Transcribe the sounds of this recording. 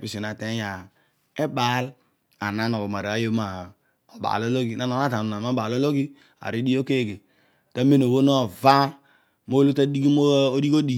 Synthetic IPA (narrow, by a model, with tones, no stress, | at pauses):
pi˨si˨na˨te˦ja˨ | e˦ba˨˦l | a˨na˦no˨o˨ma˨ɾa˦jo˦ma˨ | o˨ba̰˨lo˦lo˦ɡi˨na˦no˨˦a˦ta˨nu˨na˨m˦o˦ba˨lo˦lo˦ɡi˦ | a̰˨ɾi˦di˦o˦ke˦˨ɡe˨ | ta˦me˦no˨wo˦no˦va˦ | mo˦lu˦ta˦di˦ɡi˦mo˦o˦di˦ko˦di˨